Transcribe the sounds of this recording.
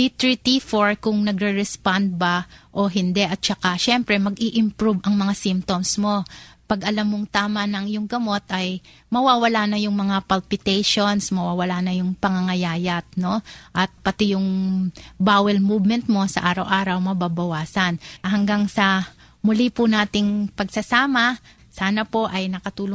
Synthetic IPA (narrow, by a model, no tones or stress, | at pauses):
it̪ɾit̪ifoɹkʊŋnɐɡɾɛɹɛspand̪̚baʔo̞ɦɪnd̪ɛʔɐt̪̚t͡ʃɐkaʃɛmpɾɛmɐɡiʔɪmpɾubʔɐŋmɐŋasimpt̪omsmo̞pɐɡʔɐlamːoŋt̪aːmɐnɐŋɪjʊŋɡɐmo̞t̪ʔɐj | mɐwaːwɐlanɐjʊŋmɐŋapalpɪt̪ɛjʃo̞nsmɐwawɐlanɐjʊŋpɐŋɐŋɐjaːjɐt̪̚no̞ʔɐt̪̚pɐt̪ɪjʊŋ | baːwɛlmubmɛnt̪̚mo̞sɐ̰ʔaːɾɐwʔaːɾɐwmɐbabɐwaːsɐnɦɐŋɡaŋsɐ | mʊlipʊnaːt̪ɪŋpɐɡsɐsaːmɐ | saːnɐpo̞ʔɐjnɐkɐt̪uːlo